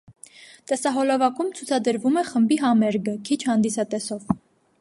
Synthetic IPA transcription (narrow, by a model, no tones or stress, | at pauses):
t̪ɛsɑɦɔlɑvɑkumt͡sʰut͡sʰɑd̪əɾvumɛχəmbiɦɑmɛɾɡəkʰit͡ʃʰhɑnd̪isɑt̪ɛsɔv